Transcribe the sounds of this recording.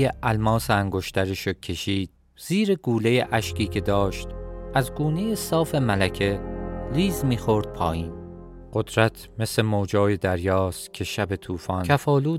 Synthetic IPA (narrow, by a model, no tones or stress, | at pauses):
eʔælmɒːseæŋɡo̞ʃt̪æɾeʃocʰe̞ʃiːd̪̥̚ | z̥iːɾe̞ɡuːle̞jeʔæʃciːcʰe̞d̪ɒːʃt̪ʔæzɡuːnejesɒːfe̞mælæcʰe̞liːzmiːxo̞ɾd̪̥̚pʰɒːjiːn | ɢ̥o̞d̪̥ɾæt̪ʰme̞slemoːd͡ʒɒːje̞d̪æɾjɒːst̪cʰe̞ʃæbe̞t̪ʰuːfɒːnæfɒːluː